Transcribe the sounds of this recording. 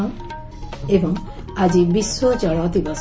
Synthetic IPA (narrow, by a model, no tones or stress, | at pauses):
ebɔŋ | ad͡ʒibiswɔd͡ʒɔɭɔt̪ibas